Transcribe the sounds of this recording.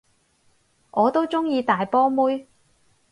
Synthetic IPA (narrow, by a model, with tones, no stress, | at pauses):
ʔɔː˨˧t̪o˥wt͡sʊ˥ŋjiː˧t̪aː˨jpɔː˥muː˥j